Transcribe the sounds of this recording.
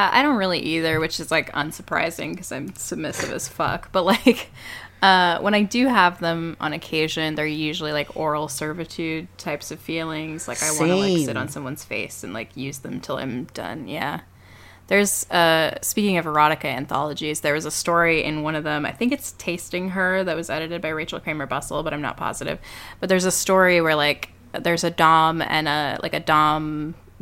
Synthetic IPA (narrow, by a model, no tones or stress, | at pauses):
æa̰ɪɾõʊ̃nt̚ɹɪlˠiʔiðə˞wɨt͡ʃɨzlaɪkʌ̰̃nsə˞pʰɹ̥a̰ɪzɪ̰̃ŋkʰʌzãɪ̃msɨb̚mɪsɨ̰vɨ̰z̥fʌ̰kb̥ʌt̚ˡlaɪk | ʌwʔə̃ɾ̃aɪdɨəvðə̃mʔə̰̃nɨkʰeɪʒɨ̃nðə˞jʉʒl̩ˠilaɪkɔɹl̩ˠsɜ˞vɨtʰʉd̚tʰaɪpsʌv̥filˠɪ̃ŋz̥la̰ɪkaɪwɑ̃nəaɪksɪɾn̩sʌ̃mwʌ̃nz̥fḛɪsɨ̃n̩la̰ɪkʰjʉzðɨ̃mtʰɪlˠã̰ɪ̃md̥ʌ̰̃njæ̰ | ðə˞z̥ʌspikɪ̃ŋʌvə˞ɑɾɨkɨɨ̰̃nθɑ̰lˠəd͡ʒizðə˞ɨzəstɔɹiʔɪ̰̃nwʌ̃nʌvðə̃maɪθɪ̃ŋkɨtstʰeɪstɪ̃ŋə˞ðɨt̚wʌzɛɾɨɾɨd̚baɪɹeɪt͡ʃl̩ˠkɹ̥ẽɪ̃mə˞bʌsl̩ˠbʌɾʔãɪ̃mnə̰t̚pʰɑ̰zɨɾɨ̰v̥b̥ʌt̪̚ðə˞zəstɔɹiwə˞laɪk | ðə˞zɨdɑ̃mɨ̰̃nəlʔa̰ɪkɨdɑ̃m